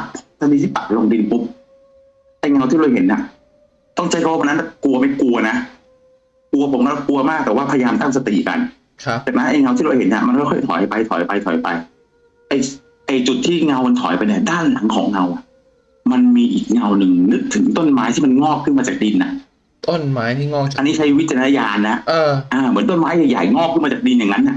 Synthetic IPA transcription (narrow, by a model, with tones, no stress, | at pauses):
t̪ʰa˧miː˧i˥˩pa˨˩lo˧ŋdi˧npu˦˥p̚ | ʔa˧jŋa˧wt̪ʰiː˥˩ɾoː˧˩jɦe˨˩˦nːʔa˨˩ʔ | t̪ɔ˥˩ŋt͡ɕa˧˥˩jʰka˧˦wa˥˩wa˧nːa˦˥t̪a˥˩ku˧ɐ˧ma˥˩jku˧ɐna˦˥ | ku˧ɐpʰo˨˩˦mka˧˥˩ku˧ɐmaː˥˩k̚t̪ɛː˨˩waː˥˩pʰa˧ja˧jaː˧mt̪a˥˩ŋsa˧t̪ḭ˨˩ka̰˧n | t͡ɕaː˨˩k̚na˦˥nʔa˧jŋa˧wt̪ʰiː˥˩ɾo˧˩jhe˩˦nʔa̰˨˩ma˧nkʰɔ˥˩ɔ˥˩jt̪ʰɔ̰ː˨˩˦jpa˧jt̪ʰɔ̰˩˦jpa˧jt̪ʰɔː˨˩˦jpa˧j | ʔa˧j | ʔa˧jt͡ɕu˨˩t̪ʰːiː˥˩ŋa˧wma˧nt̪ʰɔ̰˩˦jpa˧jni˥˩daː˥˩nla˨˩˦ŋkʰɔ̰ː˩˦ŋŋa˧wʔa˨˩ʔ | ma˧nmiː˧ʔiː˨˩k̚ŋa˧wnɯ˨˩ŋnɯ˦˥k̚t̪ʰɯ˨˩˦ŋt̪o˥˩nmaː˦˥jt̪ʰiː˥˩ma˧nŋɔː˥˩p̚kʰːɯ˥˩nmaː˧t͡ɕaː˨˩k̚di˧nːa̰˨˩ʔ | t̪o˥˩nmaː˦˥jt̪ʰi˥˩ŋː˥˩ʔa˧nːi˦˥t͡ɕʰa˦˥jwi˦˥t̪̚t͡ɕa˧a˧a˦˧˥jaː˧nːa˦˥ʔɤː˧ʔaː˧mɯ˨˩˦nt̪o˥˩nmaː˦˥jaː˨˩jaː˨˩jŋɔː˥˩k̚ʰɯ˥˩maː˧t͡ɕaː˨˩k̚di˧nja˨˩ŋːa˦˥nːa˨˩ʔ